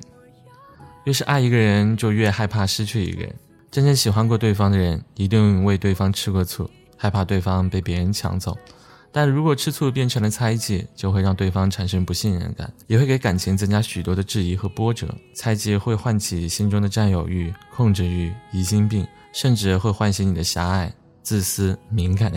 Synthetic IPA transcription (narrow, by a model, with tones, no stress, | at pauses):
jo˥˧ʂ̬ɻ̩˥˧ʔa˥˩ɪi˧˥ɡə˧ɻə˧˥nt͡ɕjo˥˧ʊɥɛ˥˧xa˥˧ɪpʰa˥˩ʂɻ̩˥t͡ɕʰy˥˩ḭ˧˥ɡə̰˧ɻə̰˧˥n | ʈ͡ʂə˥nʈ͡ʂə˥nɕi˨˩xwa˥nkwɔ˥˧t̪we˥˩ɪfɑ˥ŋd̪ə˨ɻə˧˥ni˧˥t̪i˥˧ŋ˧˥we˥˧ɪt̪we˥˩ɪfɑ˥ŋʈ͡ʂʰɻ̩˥kwɔ˥˧t͡sʰṵ˥˩ | xa˥˧ɪpʰa˥˧t̪we˥˩ɪfɑ˥ŋpe˥˩ɪpjɛ˧˥ɻə˧˥nt͡ɕʰjɑ̰˧˥ŋt͡so̰˥˩ʊ | t̪a˥˩nɻu˧˥kwɔ˨˩ʈ͡ʂʰɻ̩˥t͡sʰu˥˧p̬jɛ˥˩nʈ͡ʂʰɤ˧˥ŋd̪ə˧t͡sʰa˥ɪt͡ɕjɛ˥˩t͡ɕjo˥˧ʊxwe˧ɑ˥˧ŋt̪we˥˩ɪfɑ˥ŋʈ͡ʂʰa˨˩nʂə˥ŋpu˧˥ɕi˥˧nɻə̰˧˥nka̰˨˩˦njɛ˨˩xwe˥˩ɪke˧˥ɪka˨˩nt͡ɕʰi˧˥ŋt͡sə˥nt͡ɕja˥ɕy˨˩t̪wɔ˥d̪ə˧ʈ͡ʂɻ̩˥˩i˧˥xɤ˧˥pwɔ˥ʈ͡ʂɤ̰˨˩˦t͡sʰa˥ɪt͡ɕjɛ˥˧xwe˥˧ɪxwa˥˩nt͡ɕʰi˨˩ɕi˥nʈ͡ʂʊ˥ŋd̪ə˨ʈ͡ʂa˥˩njo˨˩ʊy˥˧˩kʰʊ˥˧ŋʈ͡ʂɻ̩˥˩y˧˩i˧˥ɕi˥ŋpi˥˩ŋ | ʂə˥˧nʈ͡ʂɻ̩˥˧xwe˥˧ɪxwa˥˩nɕi˧˥ŋni˨˩d̪ə˦ɕja˧˥a˥˩ɪ | t͡sɹ̩˥˩sɹ̩˥mi˧˥ŋka˨˩